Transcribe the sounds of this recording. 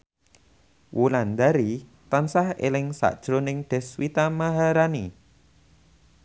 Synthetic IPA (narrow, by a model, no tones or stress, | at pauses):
wʔuland̪aɾit̪ansahḛlɪŋsa̰ʔd̥ʒ̥ɾonɪŋɖ̪̥ɛ̤swit̪amaɦaɾani